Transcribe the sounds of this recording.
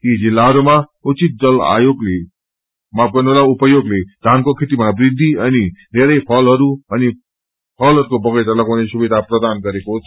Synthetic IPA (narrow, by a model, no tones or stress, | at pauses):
tid͡zilːaɦʌɾumaut͡sit̪̚d͡zʌla̰joɡle | maɡʌnoɾaupʌjoɡled̪ʱankokʰet̪imabrid̪ʱːiʌnid̪ʱeɾʌjpʰʌlɦʌɾuʌni | pʰʌlɦʌɾukobʌɡʌjt̪ʌlʌkonesubid̪ʱaprʌd̪anɡʌɾekot͡sʰ